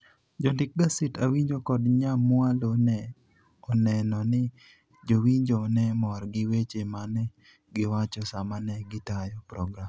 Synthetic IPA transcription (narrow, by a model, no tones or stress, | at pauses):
d͡ʒɔndɪk̚ɡasitawiɲd͡ʒokɔdɲamwalonɛ | ɔnɛnɔnɪ | d͡ʒowiɲd͡ʒonɛmɔɾɡɪwet͡ʃemanɛ | ɡɪwat͡ʃɔsamanɛɡɪtajɔpɾɔɡɾam